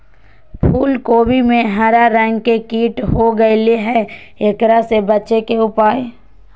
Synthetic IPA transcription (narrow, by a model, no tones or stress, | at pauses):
pʰuːlkoːbimẽɦaɾaɾɛ̃ːŋɡkekiːʈɦoɡəeleɦɛ | eːkɾasebɐtːʃekeʊpaːe